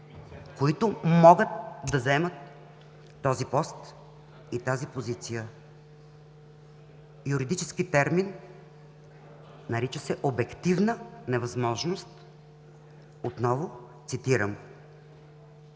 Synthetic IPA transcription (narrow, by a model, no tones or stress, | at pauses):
koit̪ʊmɔɡət̪̚d̪ɐzɛmət̪ː | ɔzipɔst̪ | it̪azipozit̪sijə | jʊɾid̪it͡ʃɛskit̪ɛɾmin | nɐɾit͡ʃəsɛʔobɛkt̪ivnənɛvɐzmɔʒnost̪ | ot̪nɔvʊt̪sit̪iɾəm